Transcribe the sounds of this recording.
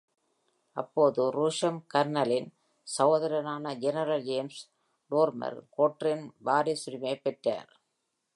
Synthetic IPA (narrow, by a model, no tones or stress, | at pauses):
ɐpːoːðɯɾuːʂɐmkɐɾnɐlɪn | sɐʋɐðɐɾɐnaːnɐd͡ʒɛnɐɾɐld͡ʒeːms | ɖoːɾmɐ̰ɾkoːʈrɪnbaːɾɪsʊɾɪmeɪpːɛʈra̰ːɾ